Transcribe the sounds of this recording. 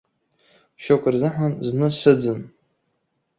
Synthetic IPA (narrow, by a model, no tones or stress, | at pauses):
ʃokʷʼɨrzɨħʷanznɨʂʷɨd͡zɨn